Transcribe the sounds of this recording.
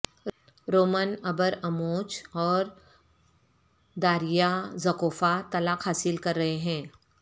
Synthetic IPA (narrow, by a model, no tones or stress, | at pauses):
ɾoːmənɐbəɾɐmoːt͡ʃɔːɾ | d̪aːɾijazɐkoːfat̪ɐlaːkɦaːsɪlkɐɾːɐɦeɦɛ̃ː